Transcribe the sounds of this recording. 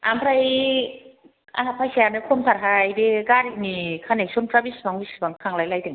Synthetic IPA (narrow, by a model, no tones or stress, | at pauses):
ampʰɾaj | a̰ɦapʰajsiaɾnɯkʰomtʰaɾɦajdeɡaɾinikʰanek̚sɔnpɾabisbaŋbisbaŋkʰaŋlajlajdeŋ